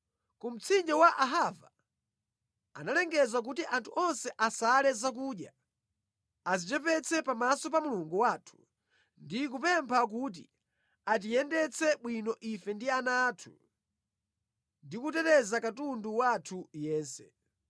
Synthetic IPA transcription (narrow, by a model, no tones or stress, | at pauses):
kum̩t͡sʰind͡ʒawaʔaɦava | a̰nalɛŋɡɛzak̬utiʔantʰuʔɔnsɛʔasalɛzak̬uːɗja | azit͡ʃɛpɛt͡sʰɛpamasɔp̬amuluŋɡuwaːtʰu̥ | ndik̬upɛmpʰak̬ut̬ḭ | at̬ijɛndɛt͡sʰɛɓwinɔʔifɛndianatʰu | ndikutɛtɛzakatunduwatʰujɛːnsɛ